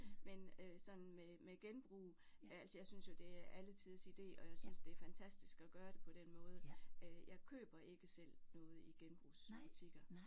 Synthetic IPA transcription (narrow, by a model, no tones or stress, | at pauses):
menøsɒ̽n̰n̩memeɡ̥enb̥ʁṵː | æl̰səjɑ̈ɪsynsjo̝d̥e̝æɐʔælət͡sʰiðˠsid̥e̝̰ːɒ̽jɑ̈ɪsynsd̥e̝æɐfænt͡sʰæsd̥isɡ̥ɒɡ̥ɶːɐɾ̥e̝pʰɒ̽ɾ̥enmɔ̽ːð̞ˠəøjɑ̈ɪkʰø̰ːb̥ɐʔe̝ɡ̥əsel̰nɔ̽ːð̞̩ˠiɡ̥enb̥ʁṵːsb̥ut͡sʰiɡ̥ɐ